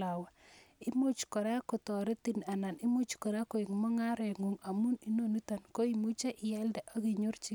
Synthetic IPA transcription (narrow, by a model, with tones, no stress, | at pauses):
a˨wa˨i˦mo˦t͡ʃkɔ˨ɾa˦ko˨t̪ɔ˨ɾe˦t̪i˨na˨na˨ni˦mo˦t͡ʃkɔ˨ɾa˦ko˨i˨ŋmɔ˦ŋa˦ɾe˨ŋo˨ŋa˨mu˦ni˨no˦˨nu˦t̪a˨nko˦i˨mu˦t͡ʃa˦ʔɪ˨jɛ˦ldɛ˨ʔo˦ɡi˨ɲo˦ɾt͡ʃi˦